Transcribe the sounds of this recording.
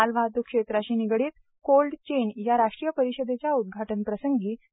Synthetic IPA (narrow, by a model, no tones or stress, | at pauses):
alʋʱat̪ukʂet̪ɾaɕiːniɡɽiːt̪̚ | kolɖt͡ɕenjaɾaʂʈɾijəpəɾiɕəd̪et͡ɕjaud̪̚ɡʱaʈənpɾəsəŋɡiː